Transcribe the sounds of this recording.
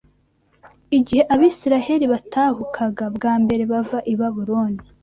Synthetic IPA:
iɟihe̞ʔaβiːsiɾahe̞ɾiβatʰaːhukʰaɡabɡaːmbe̞ɾe̞βavaʔiβaβuɾoːni

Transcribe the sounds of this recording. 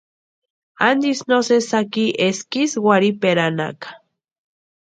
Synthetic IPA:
a̰nd̪isnosesakiʔeskiswaɾipeɾana̰kḁ

